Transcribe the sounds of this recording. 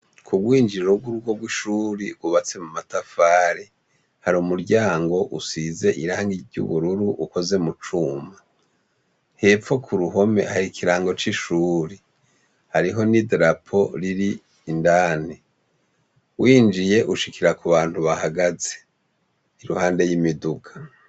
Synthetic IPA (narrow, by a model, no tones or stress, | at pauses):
kʰuɡwiːnd͡ʒiɾoɡwuɾuɡo̞ɡwiʃuːɾiɡuβat͡se̞mumatafaːɾe | haɾumuɾɟaːŋɡo̞ʔusize̞ʔiɾaːŋɡiɟṵβuɾuɾuʔuko̞ze̞mut͡ʃuːma | he̞ːfo̞kʰuɾuɦo̞me̞̰haɾikʰiɾaːŋɡo̞t͡ʃiʃuːɾi | haɾiɦo̞nidɾapʰo̞ɾiɾiː | ndaːni | wʔiːnd͡ʒije̞ʔuʃikiɾakuβaːn̥huβahaɡaze̞̥ | iɾuhaːnde̞jimiduɡḁ